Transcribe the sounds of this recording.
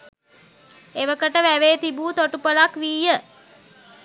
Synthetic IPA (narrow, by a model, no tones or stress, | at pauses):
eʋəkəʈəʋæʋeːt̪ibuːt̪oʈupəlakʋiːjə